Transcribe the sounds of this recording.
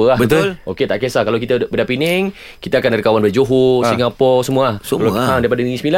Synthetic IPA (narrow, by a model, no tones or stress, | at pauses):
əabət̪loket̪aʔkesakalowkit̪abədapinɪŋ | kit̪aːkanaɾikawanbəd͡ʒoɦosiŋapɔsəmuahəladaɾipadaniisəmila